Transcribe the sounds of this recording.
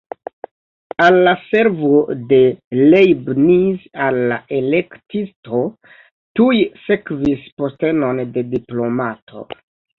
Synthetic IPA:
alːase̞ɾvo̞de̞lejbnizalːa̰ʔe̞le̞ktisto̞ | tujse̞kvispo̞ste̞no̞nde̞diplo̞matʰo̞̰

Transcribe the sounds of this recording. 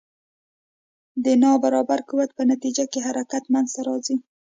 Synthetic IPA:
d̪ənɑbaɾɑbaɾkuwat̪̚pənat̪id͡ʒakeɦaɾakat̪manzt̪aɾɑzi

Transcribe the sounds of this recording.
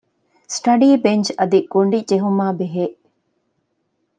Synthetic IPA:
sʈɐɖiːbeɲd͡ʒɐd̪iɡ̥oɳɖid͡ʒeɦumaːbeɦeː

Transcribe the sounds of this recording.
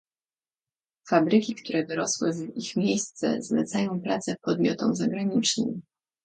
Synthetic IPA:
fabɾɘkʲikt̪uɾɛd̪ɔɾɔswɘvixmʲejst̪sɛ̰zlɛ̰t̪sajɔ̃w̃pɾat̪sɛpɔd̪mʲjɔt̪ɔmzaɡɾaɲit͡ʂnɘ̰m

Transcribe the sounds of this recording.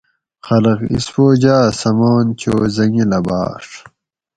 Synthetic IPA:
xɐlɐqḭsfoːd͡ʑaːsɐmoːnt͡ɕoːzɐŋilɐba̰ːʂ

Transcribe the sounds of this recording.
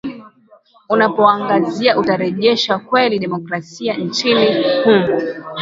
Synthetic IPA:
unapɔaŋɡaziaʔutaɾɛʄɛʃakwɛliɗɛmɔkɾasian̩t͡ʃinihumu

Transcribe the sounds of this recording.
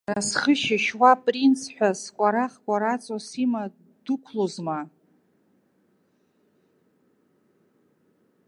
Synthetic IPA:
rasχəʃɪʃwapʼrint͡sʰħʷᶣaskʷʼaɾaχkʷʼaɾat͡sʼosima | d̥ukʷʰlozma

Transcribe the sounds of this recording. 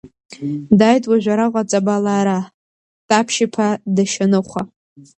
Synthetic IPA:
dajtʼwaʒᶣʷaɾaqʷʼat͡sʼabalaːɾa | tʼapʰʃipʰadaʃanɨχʷa

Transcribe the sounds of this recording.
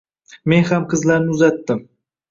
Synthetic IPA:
me̞nhamqʰɨzlaɾnɪʊzat̪ːɪm

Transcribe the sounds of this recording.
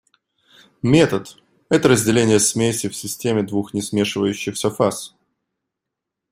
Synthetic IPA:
mʲe̞t̪ət̪ | ɛt̪əɾəzʲdʲɪlʲenʲɪjəsmʲesʲɪfsʲɪsʲtʲemʲɪd̪vuxnʲɪsmʲe̞ʂɨvəjʉɕːɪxsɐfas

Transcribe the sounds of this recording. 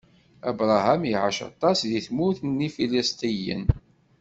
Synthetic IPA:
æbɾˤɑɦæmjiʕa̰ʃɑ̰t̪ˤːɑsðiθmuθnːifiləst̪ijə̰n

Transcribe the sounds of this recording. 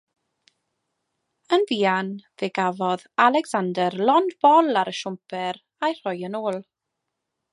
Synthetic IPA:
ənviːanveɡavɔðalˠɛɡsandɛrlɔndb̥ɔlˠaɾəʃʊmpʰɛɾ | ajr̥ɔjənoːlˠ

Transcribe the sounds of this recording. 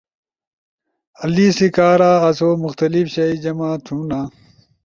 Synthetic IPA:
ɐliːsikaːɾaːɐsoːmuxt̪ɐlifɕɐid͡ʑɐmaːt̪ʰũːnaː

